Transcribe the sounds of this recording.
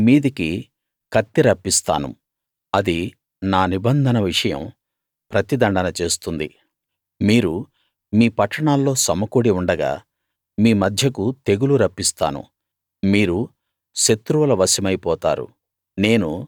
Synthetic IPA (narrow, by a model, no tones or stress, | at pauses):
miːd̪iki | kɐt̪ːiɾɐpːist̪a̰ːnṵ | ɐd̪i | naːnibɐnd̪ʱɐnɐʋiʂɐjɐ̰m | pɾɐt̪id̪ɐɳɖɐnɐt͡ʃeːst̪und̪ḭ | miːɾu | miːpɐʈːɐɳaːlːo̞ːsɐmɐkuɽiuɳɖɐɡa̰ː | miːmɐd̪ʱjɐkut̪e̞ɡuluɾɐpːist̪a̰ːnṵ | miːɾu | ʃet̪ːɾuʋɐlɐʋɐsɐmɐjpɔːt̪a̰ːɾṵ | ne̞ːnu